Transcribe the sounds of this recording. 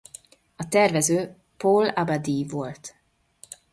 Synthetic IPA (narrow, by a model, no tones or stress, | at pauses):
ɒt̪ɛrvɛzøː | polabad̪ivolt̪